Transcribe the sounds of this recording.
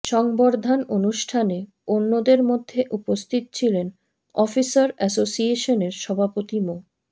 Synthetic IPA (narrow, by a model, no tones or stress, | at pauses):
ʃɔŋboɾd̪ʱanonuʃʈʰane | onːod̪eɾmod̪ʱːeʔupost̪ʰit̪ot͡ɕʰilen | ɔfisaɾɛsosieʃoneɾʃɔbʱapot̪imo